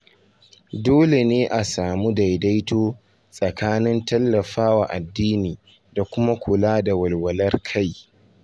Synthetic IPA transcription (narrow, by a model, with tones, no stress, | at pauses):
doː˦le˨neː˦ʔa˨saː˨mu˦da˨jda˦jtoː˦ | sʼɐ˨kʰaː˦nɪ˦ntɐ˦lːɐ˨ɸaː˦wa˨ʔa˨dːiː˦niː˨ | da˨kʷʊ˦ma˦kʰʷʊ˨laː˦da˨wɐ˨lwɐ˨lɐ˦rkʰa˦˨j